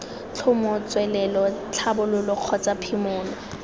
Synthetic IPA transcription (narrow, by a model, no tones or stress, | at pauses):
t͡ɬʰʊmɔt͡sʼwɛlɛlɔt͡ɬʰabʊlʊlɔq͡χʰɔt͡sʼapʰimʊːlɔ